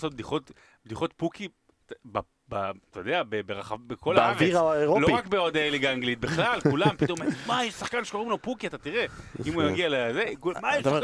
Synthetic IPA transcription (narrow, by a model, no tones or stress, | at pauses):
sot̚bd̪iχo̞t | bd̪iχo̞t̪pukʰi | ba | bat̪ojod̪eabebeʁaχavbeko̞laaveiʁaaeʁoloʁakbeod̪aeliɡaaŋɡlit̪̚beχlalkulampit̪o̞memajeʃsaχkanʃeko̞ʁimlopukiat̪at̪iʁe̞imujaɡialezekumajɛʃ